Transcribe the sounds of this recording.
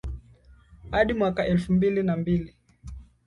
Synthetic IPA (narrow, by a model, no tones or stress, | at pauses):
haɗimwakaʔɛlfumbilinambili